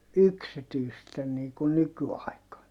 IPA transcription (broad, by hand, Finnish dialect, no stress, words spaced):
yksityisten niː kun nykyɑˑikɑn